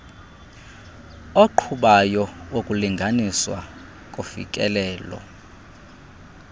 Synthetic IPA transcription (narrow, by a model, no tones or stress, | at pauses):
oǃʰuɓajɔwokʼuliŋɡʱaniswa̰ | kʼofḭk̬ʼɛlɛːlɔ̰